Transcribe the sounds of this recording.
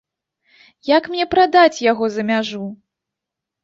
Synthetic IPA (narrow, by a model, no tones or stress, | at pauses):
jakmnʲɛpɾad̪at͡sʲjaɣɔzɐmʲaʐu